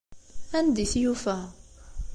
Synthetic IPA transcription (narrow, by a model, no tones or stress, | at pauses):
ænd̪iθjufæ